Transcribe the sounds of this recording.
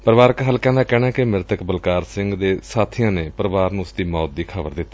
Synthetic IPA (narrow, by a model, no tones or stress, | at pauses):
pəɾəʋaːɾəkɦəlkɛ̃ːnd̪aːkɛːɽ̃ɛːkɪmɪɾt̪əkbəlkaːɾsɪ̃ŋɡd̪eːsaːt̪ʰɪjãːneːpəɾəʋaːɾnũːʊsd̪iːmɔːt̪̚d̪iːkʰəʋəɾd̪ɪt̪ː